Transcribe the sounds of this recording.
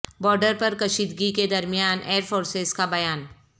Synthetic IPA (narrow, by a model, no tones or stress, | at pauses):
bɔːɾɖəɾpɐɾkɐʃiːd̪ɡiked̪ɐɾmijaːnʔeːɾfoːɾsezkabɐjaːn